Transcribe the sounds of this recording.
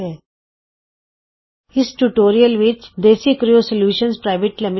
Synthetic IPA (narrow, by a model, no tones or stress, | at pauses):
e | ɪsʈuʈoːɾiəlʋit͡ʃd̪eːsikɾijosəljuːʃənspɾaɪʋeʈlɪmɪ